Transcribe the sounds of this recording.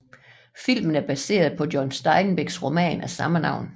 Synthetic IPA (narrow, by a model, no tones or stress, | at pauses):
fil̰mən̩æɐb̥æse̝̰ːɐð̞ˠpʰɒ̽djɒnsd̥ɑ̈ɪn̩b̥eɡ̥sʁo̝mɛ̰ːnæsɑ̈mənɑ̈ʊ̰n